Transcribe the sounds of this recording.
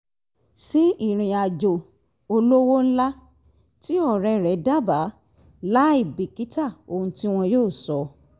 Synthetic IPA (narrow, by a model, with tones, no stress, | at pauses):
si˦i˦˨ɾ̃ĩ˨˧a˨d͡ʒo˨ | o˧lo˦wo˦n̩˦la˦ | ti˦ɔ˦˨ɾɛ˧ɾɛ˨˦da˦˨ba˨˦ | la˦i˦˨bi˨ki˦ta˦˨o˧hũ˧ti˦w̃ɔ̃˧joː˦˨sɔ˨˦